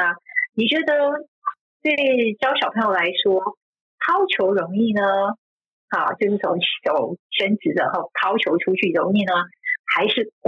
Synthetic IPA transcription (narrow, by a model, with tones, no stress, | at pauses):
ni˨˩t͡ɕɥɛ˧˥d̪ə˧ | t̪we˥˩ɪt͡ɕɑ˥ʊɕjɑ˨˩ʊpʰɤ˧˥ŋjo˥˩la˧˥ɪʂwɔ˥ | t̪ʰɑ˥ʊt͡ɕʰjo˧˥ʊɻʊ˧˥ŋi˥˩nə˩ | a̰˥˩t͡ɕjo˥˧ʊʂɻ̩˥˩t͡sʰʊ̰˧˥ŋ˥˩ʂo˨˩ʊɕə˥nt͡sɹ̩˧˥d̪ə˧xo˥˩t̪ʰɑ˥ʊt͡ɕʰjo˧˥ʊʈ͡ʂʰu˥t͡ɕʰy˥˩ɻʊ˧˥ŋi˥˩nə˩xa˧˥ɪʂɻ̩˥˩k